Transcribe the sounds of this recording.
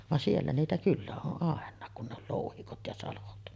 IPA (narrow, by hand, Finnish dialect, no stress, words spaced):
ʋɑn sielːæ niːtæ kylːæ oʔ ʔɑˑenˑɑːk kun ne ol loˑuhikot jɑ sɑlot